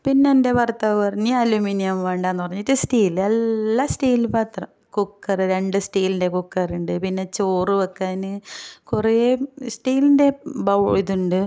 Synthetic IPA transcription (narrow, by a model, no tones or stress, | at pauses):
pinːende̞ʋɐrt̪ːɐɐrɐɲːiɐluminijɐmʋeːɳɖaːenːɨpɐrɐɲːitːɨsʈiːlelːasʈiːlpaːt̪rɐm | kukːɐrɨɾe̞ɳɖɨsʈiːlinde̞kukːɐruɳɖɨpinːe̞t͡ɕoːrɨʋɐkːaːnɨkuresʈiːlinde̞bɐwɭiðuɳɖɨ